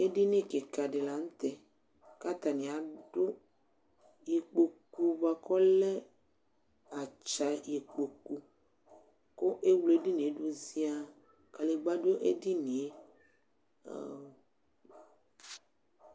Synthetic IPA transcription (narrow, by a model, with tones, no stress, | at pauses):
e˦ɖi˦nẽ˦ke˨ka˨ɖe˨la˨ŋ̩̃˦t̪e˦ | ka˦t̪a˨nĩ˨a˨ɖo˦ | je˨k͡po˨ku˦va˨kɔ˦le˦ | a˨t͡ʃa˨je˨k͡po˨ku˨ | ko˦ʔe˦wle˦di˦n˨˦ɖo˦zi˦a˦ | ka˨le˨ɡ͡ba˦do˦ʔe˦di˦nĩ˨e˦˨